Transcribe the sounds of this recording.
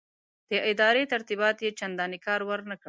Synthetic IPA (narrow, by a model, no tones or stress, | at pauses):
d̪̥əʔɪd̪ɑɾet̪aɾt̪ibɑt̪jet͡ʃand̪ɑnikɑɾwəɾnakə